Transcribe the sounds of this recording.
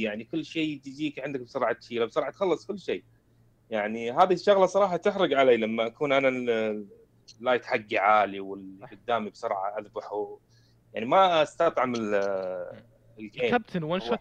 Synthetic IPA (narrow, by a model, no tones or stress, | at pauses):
jaʕnikʊlːʃeːt̪d͡ʒiːkʕɪnd̪ak̚bsʊɾˤʕɑt̪ʃiːlabsˤʊɾˤʕħɑt̪xɑlːɑsˤkʊlːʃeː | jaʕniɦaːðiʃːʊɣlasˤɑɾˤɑːħɑt̪ɪxɾʊd͡ʒʕaleːlamːaʔakuːnʔana | lːajt̪ħaɡːiʕaːliwɪlɡʊd̪ːaːmibsʊɾˤʕɑ̰ʔaðbaħu | jaʕnimaast̪ɑt̪ˤʕamɪl | ɪlkeːab̚t̪ʰɪnwanʃ